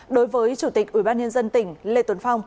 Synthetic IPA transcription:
ɗo˨˦jvəː˨˦jt͡ɕu˧˩t̪i˨˩k̚ʔi˧˩ɓaː˧nɲə˧nzə˧nt̪ï˧˩ŋ̟lḛ˧˨t̪wə˨˦nfa˧wŋ͡m

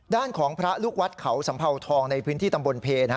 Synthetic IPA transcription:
daː˥˩nkʰɔː˩˦ŋpʰɾa˦˥luː˥˩k̚wa˦˥t̪̚kʰa˩˦wsa˩˦mpʰa˧wt̪ʰɔː˧ŋna˧jpʰɯː˦˥nt̪iː˥˩t̪a˧mbo˧npʰeː˧na˦˥

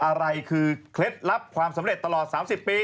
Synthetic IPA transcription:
ʔa˧ɾa˧jkʰɯː˧kʰle˦˥t̪̚ɾa˦˥p̚kʰwaː˧msa˩˦mɾe˨˩t̪ːa˧lɔː˨˩t̪̚saː˩˦msi˨˩pːiː˧

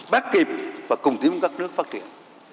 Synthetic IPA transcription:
ɓaː˦˥k̚ki˨˩p̚vaː˨˩kʊ˨˩ŋ͡mt̪i˨˦əmkaː˦˥k̚nɨ˦˥ək̚faː˦˥t̚t͡ɕḭ˧˩˨ən

